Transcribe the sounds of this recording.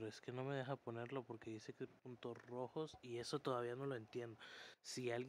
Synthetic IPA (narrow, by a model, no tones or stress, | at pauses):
ɾoe̞ske̞no̞me̞ð̞e̞xapo̞ne̞ɾlo̞po̞ɾke̞ðise̞kepunt̪o̞sro̞xo̞sie̞so̞t̪o̞ðaβiano̞lo̞e̞nt̪je̞nd̪o̞sialɣ